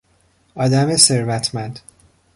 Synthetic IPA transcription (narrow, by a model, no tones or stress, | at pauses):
ɒːd̪æmese̞ɾvæt̪ʰmænd̪̥